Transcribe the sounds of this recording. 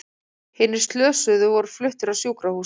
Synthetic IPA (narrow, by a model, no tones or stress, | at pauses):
hɪːnːɪ̥st̪lœːsʏðʏvɔɾʏɾ̥flʏht̪ɪɾaðsjoːwkɾahuː